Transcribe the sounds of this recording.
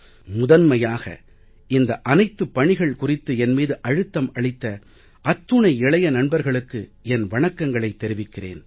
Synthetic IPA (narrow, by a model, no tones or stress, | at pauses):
mʊðɐnmɐjaːɣɐ̰ | ɪnd̪ɐʔɐnɐɪt̪ːɯpːɐɳɪɣɐɭkʊrɪt̪ːɯɛnmiːðɯʔɐɻɯt̪ːɐmɐɭɪt̪ːɐ | ʔɐt̪ːɯɳɐɪɪɭɐjɐnɐnbɐɾɣɐɭɯkːɯɛnʋɐɳɐkːɐŋɡɐɭɐɪt̪ːɛɾɪʋɪkːɪrḛːn